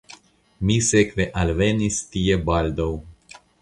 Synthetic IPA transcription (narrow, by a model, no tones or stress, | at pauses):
misekveʔalvenist̪iebald̪aw